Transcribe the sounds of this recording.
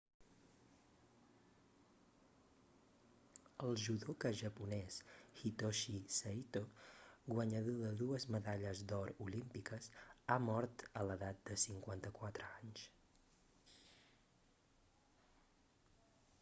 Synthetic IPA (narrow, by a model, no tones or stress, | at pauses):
əlˠʒuðokəʒəpunɛsxit̪oʃisəit̪oɡwəɲəðoðəðuəzməðaʎəzd̪ɔɾulimpikəsamɔɾt̪ələðat̪̚d̪əsiŋkwant̪əkwat̪ɾəaɲs